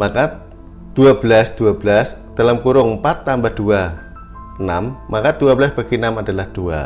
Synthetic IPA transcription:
maka | d̥uab̥əlasd̪̥uabəlasd̥alamkuɾʊŋəmpat̪ːambad̥ua | ənamːakad̥uabəlasb̥aɡ̥iənamadalahd̥ua̰

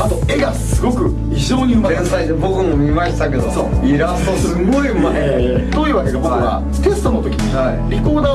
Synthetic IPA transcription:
at̪o̞e̞ɡasɨɡo̞kɯ̟ | çiʑo̞ːɲ̟imaẽnt̪aid̪ebo̞kɯ̟mo̞mʲimaɕt̪ake̞d̪o̞soːiɾast̪osɨɡo̞imaed̪oiɯ̟βake̞d̪ebokɯβa̰ | t̪e̞sɨ̥t̪o̞not̪o̞kʲiɲi | iɾʲiko̞ːd̪aː

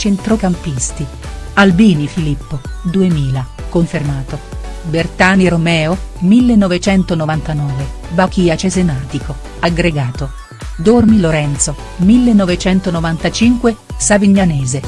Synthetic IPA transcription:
t͡ʃent̪ɾokampist̪i | albiːnifilipːod̪uemiːlakoɱfermaːt̪o | bert̪aːniɾomɛːomilːenːɔvet͡ʃɛnt̪onovant̪anɔːve | bakiat͡ʃezemaːt̪ikʰo | aɡɾeɡaːt̪o | d̪ormiloɾɛnt̪so | milːenːovet͡ʃɛnt̪onovant̪at͡ʃiŋkwesaviɲːanɛːze

